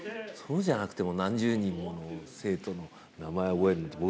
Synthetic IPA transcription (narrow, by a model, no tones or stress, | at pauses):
so̞ːʑanakɯ̟t̪e̞mo̞nãɲ̟d͡ʑɨːɲ̟ĩmːo̞nose̞ːt̪o̞no̞ | namae̞obo̞eɾɯnot̪ːebo